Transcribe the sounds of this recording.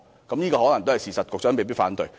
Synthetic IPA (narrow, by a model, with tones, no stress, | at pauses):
kɐ˨˥mjiː˥kɔː˧hɔ˨˥lŋt̪o˥whɐ˨jsiː˨˩sɐ˨t̚kʊ˨k̚t͡sœː˨˥me˨piː˥t̚faː˨˥nt̪ɵ̰˨˩j